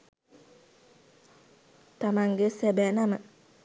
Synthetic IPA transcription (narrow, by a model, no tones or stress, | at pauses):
t̪amaŋɡesɛbɛnaməʔ